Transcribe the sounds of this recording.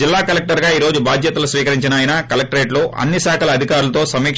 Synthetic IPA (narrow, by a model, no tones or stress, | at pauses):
ilːaːkɐlek̚ʈɐɾɡaːiːɾo̞ːd͡ʒubʱaːd̪jɐt̪ɐlusʋiːkɐɾiɲt͡ʃinaːjinakɐlɐk̚ʈɐɾeːʈloːʔɐ̰nːisaːkʰɐlɐɐd̪ʱikaːɾulɐt̪o̞ːsɐmiːk